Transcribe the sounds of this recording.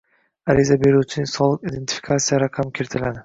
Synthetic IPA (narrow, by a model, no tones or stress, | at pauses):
aɾɪzabe̞ɾuwt͡ʃʰɪnɪsɒlˠɨqid̪e̞nt̪ʰi̥fi̥kʰat̪sijaɾaqʰɑmkʲʰeɾt̪ʰɪlad̪ɪ